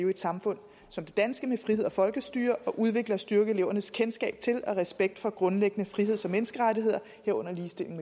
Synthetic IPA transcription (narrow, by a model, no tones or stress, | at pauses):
ʊed̥sɑ̈mfɔ̽n̰ | sɒ̽md̥e̝d̥ænsɡ̥əmefʁihe̝ð̰ˠɒfɒ̽lɡ̥əsd̥yːɐʔɒ̽ʔuð̞ˠʋe̝ɡ̥lɐsd̥yɐɡ̥əele̝ʊ̰ɐnəskʰensɡ̥ɛ̰ːb̥̚t͡sʰe̝lɒ̽ʁɛsb̥eɡ̥̚d̥fɒ̽ɡ̥ʁɔ̽nleɡ̥ənəfʁiɦe̝ð̰ˠsɒ̽menəsɡ̥əʁadiɦḛɐ | heɐɔ̽n̰ɐliːsd̥e̝l̰e̝ŋ